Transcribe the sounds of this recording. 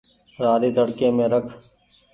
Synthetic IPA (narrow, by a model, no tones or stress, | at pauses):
ɾaːɾiːt̪əɽkẽːmẽːɾəkʰ